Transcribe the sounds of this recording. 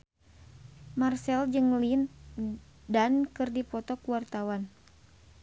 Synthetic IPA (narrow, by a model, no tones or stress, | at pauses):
marsɛld͡ʒɨŋlin | dankɨrdipɔt̪ɔkuwart̪awan